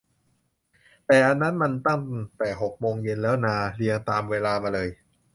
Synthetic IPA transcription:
t̪ɛː˨˩ʔa˧nːa˦˥nma˧nt̪a˥˩ŋ˩ŋt̪ɛː˨˩ɦo˨˩k̚moː˧ŋje˧nlɛː˦˥wnaː˧li˧əŋt̪aː˧mweː˧laː˧maː˧lɤː˧j

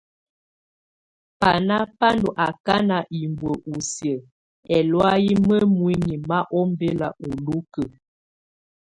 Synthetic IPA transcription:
pa˨na˦pa˦ndo˨ʔa˨ka˦na˨ʔi˨mbwə˨ʔu˨sjə˨ | ɛ˨lwa˦ji˦mə˦mwi˦ŋi˨ma˦ʔɔ˦m˦be˦la̰˨o˨lu˦kə˨

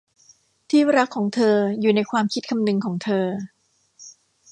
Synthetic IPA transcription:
t̪ʰiː˥˩ɾa˦˥kʰːɔː˩˦ŋt̪ʰɤː˧juː˨˩na˧jkʰwaː˧mkʰi˦˥t̪̚kʰa˧mnɯ˧ŋkʰɔː˩˦ŋt̪ʰɤː˧

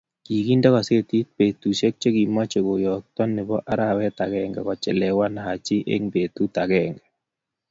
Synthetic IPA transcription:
ki˨ki˦nda˦kɔ˨se˦t̪i˦t̚pe˨t̪u˨ʃe˦k̚t͡ʃe˦ɡi˨ma˦t͡ʃe˨ɡo˨jɔ˨k̚t̪ɔ˦nːɪ˨bɔ˦ʔa˦ɾa˦wɛ˦t̪a˨ɡɛ˦ŋɡɛ̰˨kɔ˨t͡ʃɛ˨lɛ˨wa˦na˨ha˨t͡ʃɪ˦ʔḛ˦ŋbe˨t̪u˦t̪a˨ɡɛ˦ŋɡɛ˨

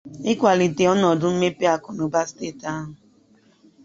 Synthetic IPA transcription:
ɪ˦kʷa˨li˨te˨ɔ˦nɔ˨dʊ˦m̩˦me˦pe˦a˨kɔ˨no˨ba˦steː˦˨ta˦ɦʊ˨

